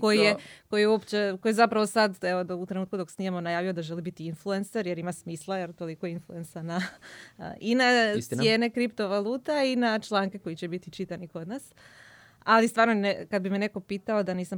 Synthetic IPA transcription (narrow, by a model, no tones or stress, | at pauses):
kojijeko̞jijeuopt͡ɕekojzapɾaʋosad̪eʋod̪out̪ɾe̞nuːt̪̚kud̪o̞ksnimemonajaːʋio̞d̪aʒe̞libit̪iinflue̞nseɾje̞ɾimasmiːslˠajeɾt̪o̞liko̞influe̞nsana̰ | ʔinajeːnekɾipt̪o̞ʋaluːt̪ainat͡ʃlˠaːŋke̞ko̞jit͡ɕebit̪it͡ʃit̪aniko̞d̪nas | alist̪ʋaːɾnonekad̪bimene̞ko̞piːt̪ao̞d̪aniːsam